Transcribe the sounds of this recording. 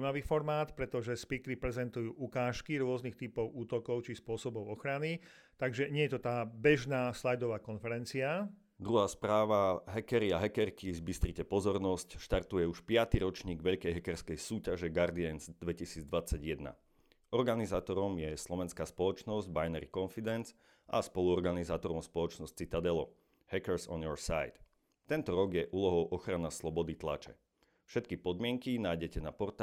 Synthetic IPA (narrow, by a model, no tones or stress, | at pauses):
maʋiːfɔɾmaːt̪pɾɛt̪ɔʒɛspikɾipɾɛzɛnt̪ujuːʔukaːʃkiɾʊɔznixt̪ipɔʊuːt̪ɔkɔʊt͡ʃispʊɔsɔbɔʊɔxɾani | t̪aɡʒɛɲɪɛjɛt̪ɔt̪aːbɛʒnaːslajd̪ɔʋaːkɔnfɛɾɛnt͡sia | d̪ɾuɦaːspɾaːʋaɦɛkɛɾiaɦɛkɛɾkizbist̪ɾicɛpɔzɔɾnɔscʃt̪aɾt̪ujɛuʃpɪat̪iɾɔt͡ʃɲiːɡʋɛʎkɛjɦɛkɛɾskɛjsuːcaʒɛɡaɾd̪iɛnzd̪ʋɛcisiːd͡zd̪ʋat͡sːaɟjɛd̪na̰ | ɔɾɡanizaːt̪ɔɾɔmjɛslˠɔʋɛnskaːspɔlɔt͡ʃnɔzɟbajnɛɾikɔnfid̪ɛnz | a̰spɔluɔɾɡanizaːt̪ɔɾɔmspɔlˠɔt͡ʃnɔst͡sit̪ad̪ɛlɔ | hɛkɛɾsɔ̰njɔɾsa̰jt̪ | t̪ːɛnt̪ɔɾɔɡjɛʔuːlɔɦɔʊʔɔxɾanaslˠɔbɔd̪it̪la̰t͡ʃɛ̰ | fʃɛt̪̚kipɔd̪mɪɛŋkinaːjɟɛcɛnapɔɾt̪